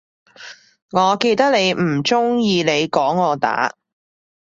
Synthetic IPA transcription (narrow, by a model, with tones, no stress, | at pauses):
ŋɔː˨˧ke˧jt̪ɐ˥k̚ne˨˧jm̩˨˩t͡ʃʊ˥ŋjiː˧ne˨˧jkɔː˨˥ŋːɔː˨˧t̪a̰ː˨˥